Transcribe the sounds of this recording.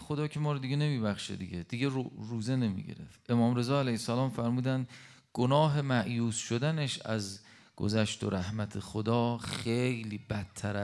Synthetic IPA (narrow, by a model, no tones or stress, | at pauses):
xo̞d̪ɒːcʰe̞mɒːɾod̪iɡene̞miːbæxʃḛd̪iɟed̪̥iɟeruːzene̞mḭɟḛɾe̞̰ft̪ʔe̞mɒːmɾe̞zɒːælæjesælɒːmfæɾmuːd̪ænd̪ | ɡ̥onɒːɦe̞mæʔjuːsʃod̪æneʃæ̰z | ɡ̥o̰zæʃt̪o̰ɾæhmæt̪ʰexod̪ɒːxejliːbæt̪ʰːæɾæ